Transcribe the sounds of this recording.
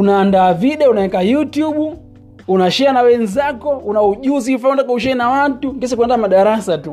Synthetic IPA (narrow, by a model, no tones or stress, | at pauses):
unaːndaːviɗɛɔunaɛkajutjuɓu | unaʃɛanawɛnzakɔunauʄuzifatakauʃ̬ɛɛnawatuŋkɛs̬akuɛndamaɗaɾasatu